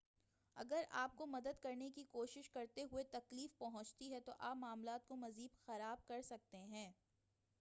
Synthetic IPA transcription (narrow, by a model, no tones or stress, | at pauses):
ɐ̰ɡəɾa̰ːp̚komɐd̪əd̪kɐɾnekikoːʃɪʃkɐɾt̪eɦʊet̪ɐkliːfpɐɦʊ̃t͡ʃt̪iɦɛt̪oʔaːpmaːmlaːt̪̚komɐziːbxɐɾaːb̚kɐɾsɐk̚t̪eɦɛ̃ː